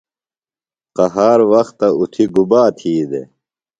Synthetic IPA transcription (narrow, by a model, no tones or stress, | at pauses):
qɐɦaːɾwɐxt̪ːɐut̪ʰiɡubaːt̪ʰiːd̪ḛ